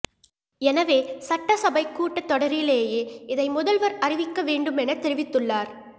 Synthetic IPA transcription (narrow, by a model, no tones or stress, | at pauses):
ɛnɐʋeːsɐʈːɐsɐbɐɪkːuːʈːɐt̪ːɔɽɐɾɪleːjeːɪðɐɪmʊðɐlʋɐɾɐrɪʋɪkːɐʋeːɳɖɯmɛnɐt̪ɛɾɪʋɪt̪ːɯɭːaːɾ